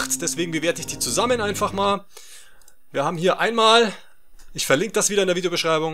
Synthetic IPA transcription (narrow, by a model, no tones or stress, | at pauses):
χtd̥ɛsv̥eːɡŋ̩bəveːɐtəɪçd̥iːt͡suzamənʔaɪnfaχmaːl | viːɐhaːbm̩hiːɐʔaɪnmaːl | ʔɪçfɛɐlɪŋkəd̥asv̥iːɾɐɪndeːɐvidejobəʃʁ̥aɪbʊŋ